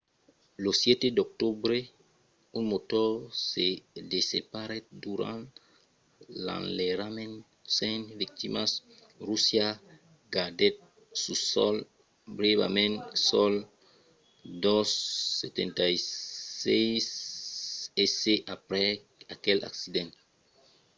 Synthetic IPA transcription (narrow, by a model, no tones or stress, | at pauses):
losjɛt̪ed̪ok̚t̪ubɾe | unmot̪ɔɾsed̪esepaɾed̪uɾã̰n | lã̰nleɾamẽn | sẽnvik̚t̪imas | rusja | ɡad̪et̪̚ | susɔ̰l | bɾeβa̰mẽnsɔl | d̪ɔsːet̪ḛ̃nt̪ajsejs | eseʔapɾɛ | akɛla̰ksid̪ẽn